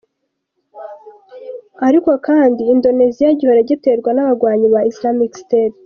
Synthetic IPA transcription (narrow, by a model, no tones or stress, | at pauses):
aɾiko̞kaːndiːndo̞ne̞zijaɟiho̞ɾeɟete̞ɾɡwanaβaɡwaːɲiβaislamiksteːt